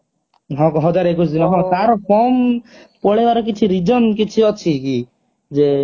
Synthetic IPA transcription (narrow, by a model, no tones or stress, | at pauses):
ɦɔ̃kɔɦɔd͡ʒaɾekut͡ʃʰɔd̪inɔɦɔ̃t̪aɾɔpʰɔmpɔɭebaɾɔk̬it͡ʃʰiɾid͡ʒɔnkit͡ʃʰiɔt͡ʃʰiki | d͡ʒe